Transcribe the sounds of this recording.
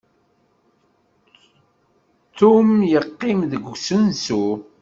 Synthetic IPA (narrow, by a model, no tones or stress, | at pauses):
θumjəqːɪmðəɡsənsu